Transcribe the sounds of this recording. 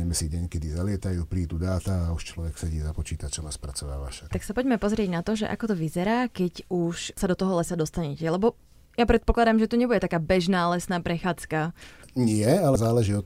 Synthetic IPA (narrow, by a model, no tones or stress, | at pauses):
ɛmɛsiɟɛɲkɛd̪izalɪɛt̪ajuːpɾiːd̪ud̪aːt̪aauʃt͡ʃlɔʋɛksɛɟiːzapɔt͡ʃiːt̪at͡ʃɔnaspɾat͡sɔʋa̰ːʋa̰ʃḁt̪aksapɔɟmɛpɔzɾɪɛɟnat̪ɔʒɛ̰ʔa̰kɔt̪ɔʋizɛɾaːkɛɟuʃsad̪ɔt̪ɔɦɔlɛsad̪ɔst̪aɲɛcɛlɛbɔ | japɾɛt̪pɔklad̪aːmʒɛt̪uɲɛbuɟɛt̪akaːbɛʒnaːlɛsnaːpɾɛxaːt͡skaɲɪɛalɛzaːlɛʒiːɔ